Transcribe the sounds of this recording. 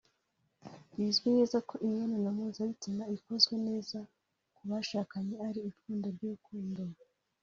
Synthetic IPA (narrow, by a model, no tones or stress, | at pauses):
jiːzɡwine̞ːzako̞ʔiɲananamuːzaβitimaiko̞zɡwe̞ne̞ːza | kuβaʃaːkaɲe̞aɾiːfuːndoɾɟuukuːndo